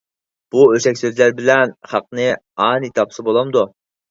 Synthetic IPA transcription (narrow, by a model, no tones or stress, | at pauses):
b̥uøʃɛkʲsøzlæɾbɪlɛnχɑq̚nɨ | ɑnit̪ʰɑpsɨbolˠɑmd̪u